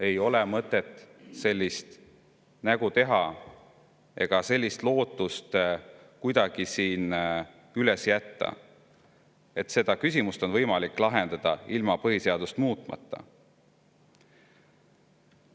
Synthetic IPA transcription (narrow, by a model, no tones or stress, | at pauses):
e̞jo̞lemɤt̪ːˑe̞t̪ːˑse̞lʲːist̪ | næɡ̥ut̪e̞ɦɑ | e̞̰ɡ̥ɑse̞lʲːist̪lo̞ːt̪ːˑust̪ | kujd̪̥ɑɡ̥isiːn | yle̞sjæt̪ːɑ̰ | e̞t̪se̞d̪̥ɑkys̬ʲimust̪o̞nvɤjmɑlikːˑlɑɦe̞nd̪̥ɑd̪̥ɑilmɑpɤɦise̞ɑd̪ust̪muːt̪ˑmɑ̰t̪ːɑ̰